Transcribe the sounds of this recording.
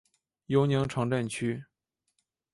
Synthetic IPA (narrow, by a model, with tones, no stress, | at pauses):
jo˧˥ʊni˧˥ŋʈ͡ʂʰɑ˧˥ŋʈ͡ʂə˥˩nt͡ɕʰy˥